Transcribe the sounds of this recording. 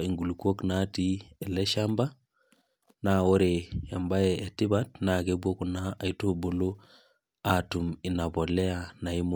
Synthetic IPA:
i˨ŋɡu˨lko˦kna˦ti˦e˨le˦ʃa˦mba˦ | na˦wo˦ɾe˨ja˨mba˦jɛ˨e˨ti˦ba˦tna˨ke˦bu˦o˦ku˨naː˨i˦to˦bo˨lo˦ | a˨tu˨mi˨na˨bo˨lɛ˦a˨na˨i˦m

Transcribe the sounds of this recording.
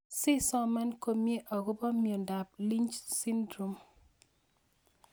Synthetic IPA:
sɪ˦sɔ˦ma˦nko˨mje˦ʔɔ˨ɡʊ˦bɔ˦mjo˨nda˨p̚li˦nt͡ʃsi˦ndɾo˨m

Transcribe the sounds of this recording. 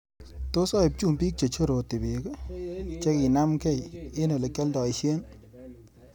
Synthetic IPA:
to˦sɔ˦i˨p̚t͡ʃu˦˨mbi˦k̚t͡ʃe˨t͡ʃo˦ɾo˨tɪ˨be˨kt͡ʃe˦ki˨na˦mke˦˨je˦no˨le˨kɛ˦ldɔ˨i˨ʃje˦n

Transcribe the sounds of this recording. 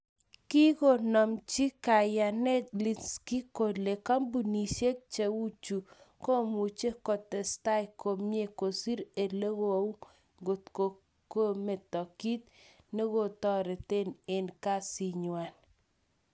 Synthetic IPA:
ki˦ko˨nɔ˨mt͡ʃi˦ka˨ja˨nɛ˦tli˨ski˦ko˨le˨ka˦mbu˨ni˨ʃe˦k̚t͡ʃe˨wu˦t͡ʃu˨ | ko˦mu˨t͡ʃe˦kɔ˨t̪ɛ˨sta˦jko˨mje˦ko˨si˦ɾe˨le˦ɣo˨u˦ | ŋɡo˨tko˨ | ko˦me˨t̪ɔ˨ki˦t̪ | ne˦ɡo˦t̪ɔ˦ɾɛ˨t̪e˦ne˨nka˦si˦ɲwa˨n

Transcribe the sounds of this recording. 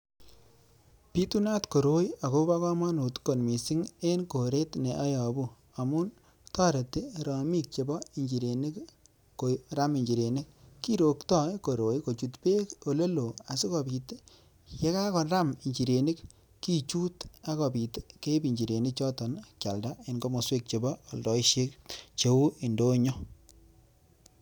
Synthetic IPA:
pi˦tu˦na˦tko˨ɾo˦ja˨ko˦ba˦kɔ˦ma˦nu˨tko˨nmi˨si˦ŋe˦nko˨ɾe˦tne˨ʔa˦jɔ˨bu˦ | a˨mu˦n | tɔ˦ɾe˨ti˦ɾɔ˨mi˦k̚t͡ʃe˨bɔ˦i˨ɲt͡ʃi˨ɾe˨ni˦k | ko˨ɾa˦mi˨ɲd͡ʒi˨ɾe˨ni˦kkːi˦ɾo˨ktɔ˦jko˨ɾo˨jko˨t͡ʃu˨tpe˦ko˨le˦lo˨a˨si˦kɔ˨bi˨te˦ | je˦ka˦kɔ˨nɾa˦mi˨ɲt͡ʃi˨ɾe˨ni˦k | ki˦t͡ʃu˦ta˦kɔ˨pi˨tke˦pi˨ɲd͡ʒi˨ɾe˨nɪ˦k̚t͡ʃɔ˦tɔ˨nkja˨lda˦e˨nko˦mo˨swe˦k̚t͡ʃe˨bɔ˦ɔ˨ldɔ˨i˦ʃe˦k̚t͡ʃe˨u˦i˨ndo˦ɲo˦

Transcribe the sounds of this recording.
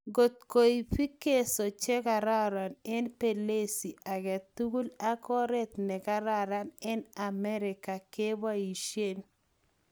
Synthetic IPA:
ɡo˨t̪̚ko˨i˨fi˦ke˦so˨t͡ʃe˦ka˨ɾa˦ɾa˨nɛ˦npe˨le˦si˨a˨ɡɛ˨t̪u˦ɡu˦la˦kɔ˦ɾɛ˦t̪nɛ˨ɡa˦ɾa˦ɾa˦nɛ˦na˨mɛ˦ɾɪ˨ka˨ke˦ba˦i˨ʃje˦n

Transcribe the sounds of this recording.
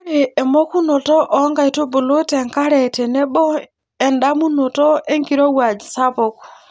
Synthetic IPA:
e˨ɛ˨mɔ˦ku˦nɔ˨tɔ˦ʔɔ˨˦ŋɡa˨jto˦bo˨lo˦tɛ˨ŋka˦ɾɛ˨tɛ˨nɛ˦ɓɔ˦ | ɛ˨nɗa˦mu˦nɔ˨tɔ˦ʔɛ˦ŋɡi˨ɾɔ˦wa˨d͡ʒi˨sa˦pɔ˨k

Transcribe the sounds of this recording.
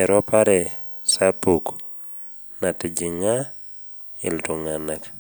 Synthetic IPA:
ɛ˨ɾɔ˦paɾɛ˨ | sa˦puk | na˨ti˨d͡ʒi˨ŋa˦ | ɪ̰˨ltu˨ŋa˨nak

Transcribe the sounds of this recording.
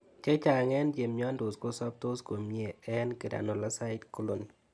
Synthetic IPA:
t͡ʃɛ˦t͡ʃa˨ŋɛ˦nd͡ʒe˨mɲɔ˦ndo˨sko˦sɔ˦p̚to˦sko˨mje˨ɛ˦nke˨da̰˨no˨la˦sa˦ɪ˦tku˦lo˨n

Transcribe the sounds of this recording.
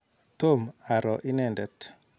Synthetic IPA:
t̪o˦˨ma˨ɾɔ˨ʔɪ˦nɛ˦ndɛ˨t

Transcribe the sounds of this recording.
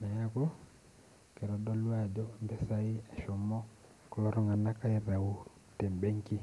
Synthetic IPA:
na˨ja˦ko˦ | ke˨ɾɔ˨dɔ˦lwa˦˨d͡ʒɔ˦˨mbɛ˦sa˦i˦a˨ʃo˨mɔ˦ | kɔ˦lɔ˦ɾɔ˦ŋa˨na˦ka˦ɛ˦ra˨u˦ | tɛ˨mbɛ˦ŋki˦

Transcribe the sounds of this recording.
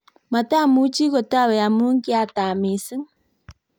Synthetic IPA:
ma˨ta˦˨mu˦t͡ʃi˦ɣo˨ta˦˨wɛ˨a˨mu˦ŋ̩˦ki˦a˨ta˨mi˨sɨ˦ŋ

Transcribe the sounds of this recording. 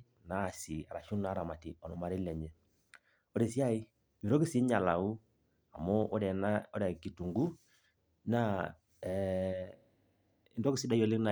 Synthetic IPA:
naː˦˨sɪ˨a˨ɾa˨ʃu˦na˦ɾa˨ma˨ti˨ɔ˨nɔ˨ma˨ɾɪ˦lɛ˨ɲɛ˨ | ɔ˦ɾe˨si˦a˦˨i˦ | mi˨ɾɔ˦kɪ˦sɪ˦ɲa˨la˨u˦ | a˨mɔ˦ɾɛ˨na˦ɔ˦ɾɛ˨ki˨tu˨ŋɡu˦ | na˦˨ | ɪ˦ndɔ˦kɪ˦sɪ˦da˦jɔ˨lɪ˦kna˨

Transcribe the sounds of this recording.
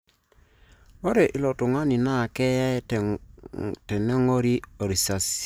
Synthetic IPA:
o˦ɾe˨ʔi˨lɔ˨tʊ˨ŋa˦ni˨na˦˨kɛ˦ja˦˨ | tɛ˨nɛ˦ŋo˦ɾi˦o˨ɾi˨sa˨s

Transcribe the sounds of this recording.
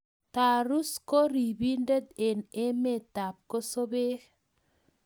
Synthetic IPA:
t̪a˨ɾu˦sko˦ɾi˨bi˦nde˦d̪e˨ne˦me˦˨t̪a˨p̚ko˦so˦be˦k

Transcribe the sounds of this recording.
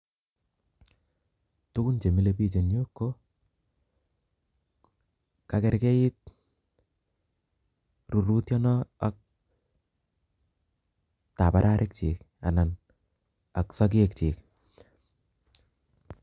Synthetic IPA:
tu˦ku˦nt͡ʃe˨mi˦lepi˦s̬e˨njo˦kːo˦ | ka˨keɾke˦ɪ˦t̚ | ru˨ɾu˦tjɔ˦nɔ˦a˨k̚ | ta˨pa˨ɾʔa˦ɾʔɪ˦k̚t͡ʃḭ˨k | a̰˨na˨n | a˨ksɔ˦k̬ek̚t͡ʃi˨k̚

